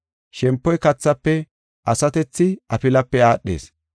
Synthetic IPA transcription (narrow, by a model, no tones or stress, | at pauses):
ʃɛmpːɔjkɐt͡sːɐpːɛ | ʔɐsɐt̪ɛt͡sːɪɐpɪlɐpːɛaːɗːḛːs